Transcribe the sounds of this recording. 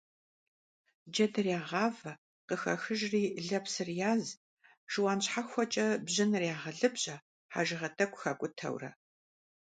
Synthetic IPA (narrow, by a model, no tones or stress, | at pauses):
d͡ʒɐdɨrjaːʁɑːvɐ | qəxɐxɨʒriːɮɐpsɨrjaːz | ʒ̥ɨwaːnɕħaxʷɔt͡ʃʼɐbʑɪnrjaːʁɐɮɨbʑʼɐ | ħa̰ːʒɪʁɐtʰʼɐkʷʼxɐkʷʼʊtʰɐ̰wrɐ̰